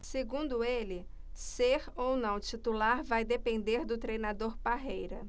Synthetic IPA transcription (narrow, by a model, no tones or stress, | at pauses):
seɡũnd̪ʊelɪ | seɾownɐ̃w̃t͡ʃit̪ulaɾvajd̪epẽnd̪eɾd̪ʊt̪ɾejnad̪oɾpaɦejɾɐ